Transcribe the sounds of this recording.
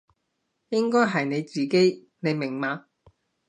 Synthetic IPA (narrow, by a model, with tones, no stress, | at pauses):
jɪ˥ŋkɔː˥jɦɐ˨jne˨˧jt͡siː˨ke˥j | ne˨˧jmɪ˨˩ŋmaː˨˧